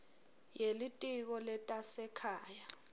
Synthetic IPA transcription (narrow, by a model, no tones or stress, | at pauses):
jelitʼik̬ɔlɛtʼasɛkʰaːja